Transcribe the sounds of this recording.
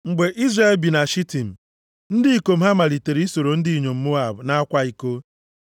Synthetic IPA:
ŋ͡m̩˨ɡ͡be˨ʔi˦zɾa˦˨lbi˨na˨ʃi˦ti˨m̩˨ | n̩˦dɪ˦i˦ko˨m̩˦a˦ma˨li˨te˨ɾi˨˦i˦so˨ɾo˨n̩˦dɪ˦i˨ɲo˨m̩˦mo˦a˨bna˦kʷa˦i˨ko˦

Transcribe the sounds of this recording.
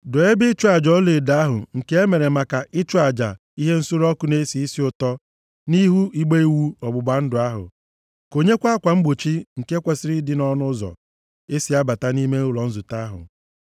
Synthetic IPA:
dʊ˨e˦bɪ˦t͡ʃu˦a˨d͡ʒɔ˦le˨da˨˦a˦ɦʊ̰˨ŋ̩˨ke˦e˦me˨ɾe˨ma˨ka˨ʔɪ˦t͡ʃu˦a˨d͡ʒa̰˨ | i˦ɦe˦n̩˦sʊ˦ɾɔ˦kʊ˦ne˦si˨i˦si˦ʊ˨tɔ˦ | ni˦ɦu˦i˦ɡ͡be˦i˦wu˦ɔ˨ɡ͡bʊ˨ɡ͡ba˨˦n̩˦dʊ˨a˦ɦʊ̰˨ | ko˨ɲe˦kʷa˦kʷa˨ŋ͡m̩˦ɡ͡bu˨t͡ʃi˦ŋ̩˨ke˦kʷe˨sɪ˦ɾɪ˦dɪ˦nɔ˦nʊ˦zɔ̰˨ | e˦si˨a˦ba˨ta˦ni˦me˦ʊ˦˨lɔ˨n̩˦zʊ˨ta˦ɦʊ̰˨

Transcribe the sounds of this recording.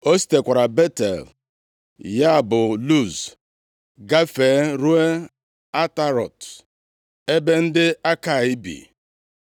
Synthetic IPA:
o˦si̥˦te˨kʷa˨ɾa˨be˦tḛ˨l | ja˦˨bʊ˨lu˦˨z | ɡa˦fe˨˦ɾu˦e˦ | a˦ta˦ɾɔ̰˨t | e˦be˦n̩˦dɪ˦a˦ka˨i˦bḭ˨

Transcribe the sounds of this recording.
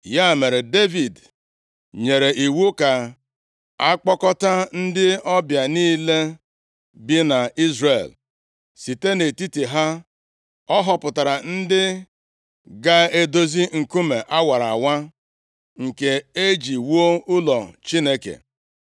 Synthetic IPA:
ja˦˨me˨ɾe˨de˦vi˨d | ɲe˨ɾe˨ʔi˨wu˦ka˨ | a˦k͡pɔ˦kɔ˦ta˦n̩˦dɪ˦ɔ˦bja˨niː˦le˦ | bi˦na˨i˦zre˨l | si˨te˦ne˨ti˦ti˨ɦa˦ | ɔ˦ɦɔ˨pʊ˨ta˨ɾa˨n̩˦dɪ˦ | ɡa˦e˦do˦zi˦ŋ̩˨ku˦me˨ʔa˦wa˨ɾa̰˨wa˦ | ŋ̩˨ke˨e˦d͡ʒi˨wo˦ʊ˦lɔ˨t͡ʃi˦ne˦kḛ˨

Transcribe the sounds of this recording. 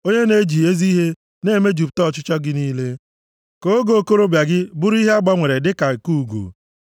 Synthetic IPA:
o˦ɲe˦ne˦d͡ʒi˨e˦zi˦ɦe˦ | ne˦˨me˦d͡ʒu˨p̚tɔ˦˨t͡ʃʊ˦t͡ʃɔ˦ɡɪ˦niː˦le˦ | ko˦ɡo˨o˨ko˦ɾo˦bja˨ɡɪ˦bʊ˦ɾi˦ɦe˦a˦ɡ͡ba˦ŋʷe˨ɾe˨dɪ˦ka˨ku˦˨ɡo̰˨

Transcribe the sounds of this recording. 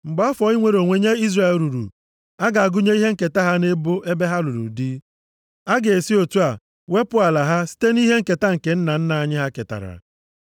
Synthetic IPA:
ŋ͡m̩˨ɡ͡ba˦ɔ˦fɔ˨˦i˦ŋʷe˨ɾo˨ŋʷe˨ɲe˦i˦zɾe˦˨˦lɾu˨ɾṵ˨ | a˦ɡa˨a˨ɡʊ˦ɲe˦i˦ɦe˦ŋ̩˦˨ke˨ta˦ɦa˦ne˦bʊ˦ʔe˦be˦ɦa˦lu˨ɾṵ˨di˦ | a˦ɡe˨e˨si˦o˨tu˦a˨ | we˦pʊ˦a˨la˨ɦa˦si̥˦te˦ni˦ɦe˦ŋ̩˦ke˨ta˦ŋ̩˨ke˨n̩˦na˨n̩˦na˨a˨ɲɪ˦ɦa˦ke˨ta̰˨ɾa̰˨

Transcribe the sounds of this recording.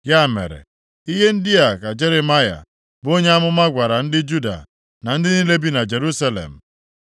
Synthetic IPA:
ja˦˨mḛ˨ɾḛ˨ | i˦ɦe˦n̩˦dɪ˦a˨ka˨d͡ʒe˦ɾe˨ma˦ja̰˨ | bo˦ɲe˦a˦mʊ˦ma˦ɡʷa˨ɾa˨n̩˦dɪ˦d͡ʒu˦da̰˨ | na˨n̩˦dɪ˦ni˦le˦bi˦na˨d͡ʒe˨ɾu˦sa˦lḛ˨m̩˨

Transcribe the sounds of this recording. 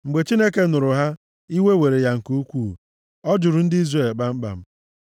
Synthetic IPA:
ŋ͡m̩˨ɡ͡be˨t͡ʃi˦ne˦ke˦nʊ˨ɾʊ˨ɦa˦ | i˦we˦we˨ɾe˨ja˦ŋ̩˨ku˦kʷuː˦˨ | ɔ˦d͡ʒʊ˨ɾʊ˨n̩˦dɪ˦i˦zre˦˨lɡ͡ba˦m̩˦ɡ͡ba̰˨m̩˦

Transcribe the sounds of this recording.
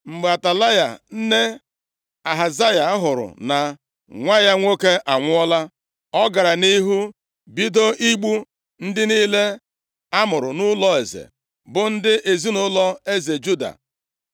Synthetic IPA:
m̩˨ɡ͡ba˨ta˨la˦ja̰˨n̩˦ne˦ | a˨ɦa˨za˦ja˨˦ɦʊ˨ɾʊ̰˨na˨ | ŋʷa˦ja˦ŋʷo˦ke˦ʔa˨ŋʷʊ˦ɔ˦la˦ | ɔ˦ɡa˨ɾa˨ni˦ɦu˦ | bi˦do˦ʔi˦ɡ͡bu˦ | n̩˦dɪ˦niː˦le˦ | a˦mʊ˨ɾʊ˨nʊ˦lɔ˦e˨zḛ˨ | bʊ˨n̩˦dɪ˦ʔe˨zi˦nʊ˦lɔ˦e˦ze˨d͡ʒu˦da̰˨

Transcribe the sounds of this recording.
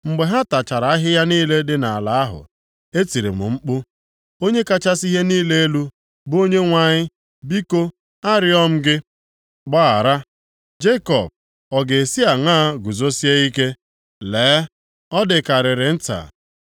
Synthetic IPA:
ŋ͡m̩˨ɡ͡be˨ɦa˦ta˨t͡ʃa˨ɾa˨˦a˦ɦɪ˦ja˦niː˦le˦dɪ˦na˨a˨la˨a˦ɦʊ̰˨ | e˦ti˨ɾḛ˨m̩̰˨ŋ͡m̩˦k͡pʊ˦ | o˦ɲe˦ka˦t͡ʃa˦si˦ɦe˦niː˦le˦e˦lu˦ | bʊ˦o˦ɲe˦ŋʷa˨ɲɪ˦ | bi˦ko˦ | a˦ɾɪ˦ɔ˦m̩˦ɡɪ˦ | k͡pa˦a˨ɾa˦ | d͡ʒe˦kɔ̰˨b̚ | ɔ˨ɡe˨e˨si˦a˨ŋaː˦ɡu˨zo˦si˦e˦i˦ke˦ | leː˨˦ | ɔ˦dɪ˨ka˨ɾɪ˨ɾɪ˨n̩˦ta̰˨

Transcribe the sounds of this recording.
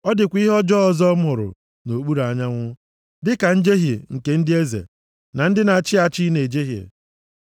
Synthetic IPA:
ɔ˦dɪ˨kʷi˦ɦɔ˦d͡ʒɔ˦ɔ˨zɔ˦mʊ˨ɾʊ̰˨ | no˨k͡pu˦ɾa˨ɲa˦ŋʷʊ˦ | dɪ˦ka˨n̩˦d͡ʒe˦ɦje˨ŋ̩˨ke˨n̩˦dɪ˦e˦zḛ˨ | na˨n̩˦dɪ˦na˨t͡ʃɪ˦a˨t͡ʃi˦ne˨d͡ʒe˦ɦjḛ˨

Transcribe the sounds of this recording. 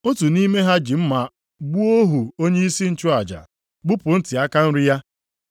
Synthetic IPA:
o˦tu˨ni˦me˦ɦa˦d͡ʒi˨m̩˦ma˨ | ɡ͡bu˦o˦ɦu˨o˦ɲe˦i˦si˦n̩˦t͡ʃʊ˦a˨d͡ʒa̰˨ | ɡ͡bu˦pʊ˨n̩˦ti˨a˦ka˦n̩˦ɾi˦ja˦

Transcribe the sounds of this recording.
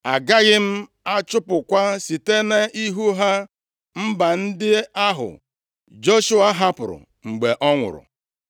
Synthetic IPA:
a˨ɡa˦ɣɪ˦m̩˦ | a˦t͡ʃʊ˦pʊ˨kʷa˦si˨te˦ne˦i˦ɦu˦ɦa˦ | m̩˦ba˨n̩˦dɪ˦a˦ɦʊ̰˨ | d͡ʒo˦ʃu˦a˦ɦa˦pʊ˨ɾʊ̰˨ | ŋ͡m̩˨ɡ͡be˨ʔɔ˦ŋʷʊ̰˨ɾʊ̰˨

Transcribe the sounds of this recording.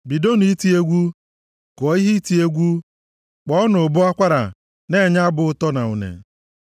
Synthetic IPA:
bi˨do˦ni˨i˦ti˦e˦ɡʷu˦ | kɔ˨˦i˦ɦi˦ti˨e˦ɡʷu˦ | k͡pɔ˦nʊ˨bʊ˦a˦kʷa˦ɾa̰˨ | ne˦˨ɲa˦bʊ˨ʊ˦tɔ˦na˨ṵ˨nḛ˨

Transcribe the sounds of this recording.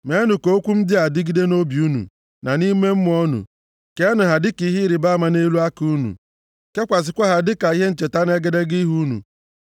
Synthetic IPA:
me˨˦nʊ˨ko˦kʷu˦m̩˦dɪ˦a˨dɪ˦ɡi˦de˦no˦bi˨u˦nṵ˨ | na˨ni˦me˦m̩˦m˦ɔ˦nʊ̰˨ | ke˦nʊ˨ɦa˨dɪ˦ki˨˦ɦi˦ɾi˨ba˦ma˨ne˦lu˦a˦ku˦nṵ˨ | ke˦kʷa˨s̬ɪ˨kʷa˦ɦa˨dɪ˦ka˨i˦ɦe˦n̩˦t͡ʃe˨ta˦n˦e˦ɡe˦de˦ɡi˦ɦu˦nṵ˨

